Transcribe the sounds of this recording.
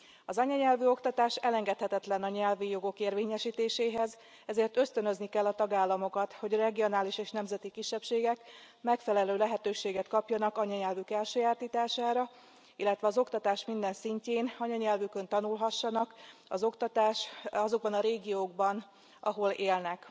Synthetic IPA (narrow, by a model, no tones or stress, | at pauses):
ɒzɒɲɒɲɛlvyo̞kt̪ɒt̪aːʃɛlɛŋɡɛt̪hɛt̪ɛt̪lɛnɒɲɛlvijo̞ɡo̞keːrveːɲɛʃiːt̪eːʃeːɦɛz | ɛzeːrt̪ø̞st̪ønø̞znikɛlːɒt̪ɒɡaːlːɒmo̞kɒt̪ho̞ɟrɛɡio̞naːliʃeːʃnɛmzɛt̪ikiʃːɛpʃeːɡɛk | mɛkfɛlɛløːlɛɦɛt̪øːʃeːɡɛt̪kɒpjɒnɒkɒɲɒɲɛlvykɛlʃøːjaːrt̪iːt̪aːʃaːɾɒ | ilːɛt̪ʋɛɒzo̞kt̪ɒt̪aːʃmind̪ɛnsiɲceːnɒɲɒɲɛlvykønt̪ɒnulɦɒʃːɒnɒkɒ̰zo̞kt̪ɒt̪aːʃɒzo̞ɡ̚bɒnɒɾeːɡijoːɡ̚bɒn | ʔɒɦo̞leːlnɛk